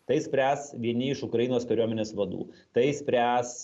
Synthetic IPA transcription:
t̪ɐɪsʲpʲɾʲæːsʋʲiɛnʲɪɪʃʊkɾɐjinoːskɐɾʲuɔmʲɛnʲeːsʋɐd̪ṵːt̪ɐɪsʲpʲɾʲæːs

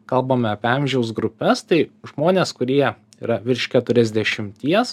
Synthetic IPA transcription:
kɐlˠbɐmʲɛɐpʲeɐmʲʒʲɛʊsɡɾʊpʲɛst̪ɐɪʒmoːnʲeːskʊɾʲiɛ | ḭːɾɐʋʲɪɾʲʃʲkʲɛt̪ʊɾʲɛzʲd̪ʲɛʃʲɪmʲt̪ʲiɛs

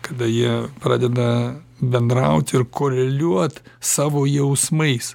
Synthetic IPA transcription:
kɐd̪ɐjiɛpɾɑ̰ːd̪ʲɛd̪ɐ | bʲɛnd̪ɾɐʊt̪ʲɪɾkʰoːɾʲɛlʲuɔt̪sɑːʋoːjɛʊsmɐɪs

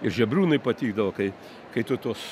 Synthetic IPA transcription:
ɪɾʒʲɛbʲɾʲuːnɐɪpɐt̪ʲiːɡd̪ɐʋoːkɐɪ | kɐɪt̪ʊt̪uɔs

